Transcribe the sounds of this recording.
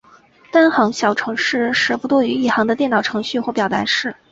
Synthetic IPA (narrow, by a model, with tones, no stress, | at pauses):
t̪a˥nxɑ˧˥ŋɕjɑ˨˩ʊʈ͡ʂʰɤ˧˥ŋʂɻ̩˥˧ʂɻ̩˥˩pu˧˥t̪wɔ˥˩y˧˥i˥˩xɑ˧˥ŋd̪ə˧jɛ˥˩nt̪ɑ˨˩ʊʈ͡ʂʰɤ˧˥ŋɕy˥˧xwɔ˥˩pjɑ˨˩ʊt̪a̰˧˥ʂɻ̩˥˩